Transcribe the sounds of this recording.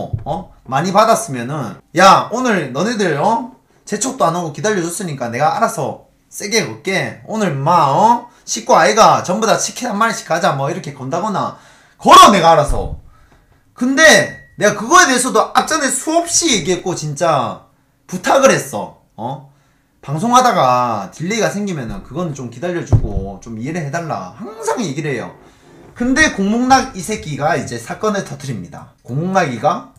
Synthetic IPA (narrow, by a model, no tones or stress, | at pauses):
ʌmaɲipadas͈ɯmjʌnɯnjaonɯɭnʌnedɯɭʌ | t͡ɕe̞t͡ɕʰok̚t͈oanaɡokidaʎːʌd͡ʑʌs͈ɯɲik͈ane̞ɡaaɾasʰʌ̰ | s͈e̞ɡe̞kʌk͈e̞onɯɭmaʌ | ɕʰik͈oaiɡat͡ɕʌmbudat͡ɕʰikʰiamːaneɕ͈i̥kʰad͡ʑamʌiɾʌkʰe̞kʌndaɡʌna̰ | kʌɾʌne̞ɡaːɾasʰʌ̰ | kɯnde̞ne̞ɡakɯɡʌe̞deesʰʌdoak̚t͡ɕ͈ʌne̞sʰuʌp̚ɕ͈ije̞ɡiɦet̚k͈ot͡ɕint͡ɕ͈a | putʰaɡɯɾɦe̞s͈ʌ̰ | ʌ | paŋsʰoŋɦadaɡatiʎːiɡasʰe̞ŋɡimjʌnɯnkɯɡʌnɯnt͡ɕomkidaʎːʌd͡ʑuɡot͡ɕomieɾɯɭhedaɭːa̰haŋsʰaŋje̞ɡiɾɯɭɦe̞jo̰ | kɯnde̞koŋmoŋnaɡisʰe̞ɡiɡaid͡ʑe̞sʰak͈ʌnɯɭtʌtʰɯɾimɲida̰koŋmoŋnaɡiɡa